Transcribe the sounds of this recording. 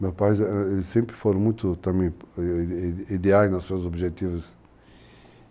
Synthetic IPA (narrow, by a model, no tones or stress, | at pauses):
mewpajzsẽmpɾɪfoɾõmũj̃t̪ʊt̪ɐ̃mẽj̃ | id̪eajznɐssuɐzobʒet̪ivɐs